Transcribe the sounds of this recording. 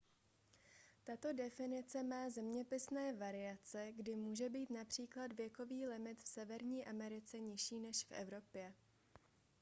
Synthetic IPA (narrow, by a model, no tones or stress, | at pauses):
t̪at̪o̞dɛfɪnɪt͡sɛmaːzɛmɲɛpɪsnɛːvaɾɪat͡sɛɡdɪmuːʒɛbiːt̪napr̥iːklad̪vjɛko̞viːlɪmɪt̪fsɛvɛɾɲiːʔamɛɾɪt͡sɛɲɪʃiːnɛʃfʔɛ̰vɾo̞pjɛ